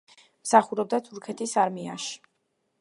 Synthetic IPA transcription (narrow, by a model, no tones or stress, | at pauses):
msaχuɾɛb̚d̪at̪ʰuɾkʰɛt̪ʰisaɾmia̰ʃi̥